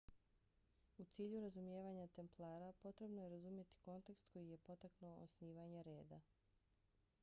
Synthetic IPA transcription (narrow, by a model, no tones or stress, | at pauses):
ut̪siːʎuɾazumjeːʋaɲat̪e̞mplˠaːɾapo̞t̪ɾe̞bno̞jeɾazumje̞t̪i̥ko̞nt̪e̞kst̪ko̞jije̞po̞t̪aknuoo̰sniːʋaɲe̞ɾe̞ːd̪a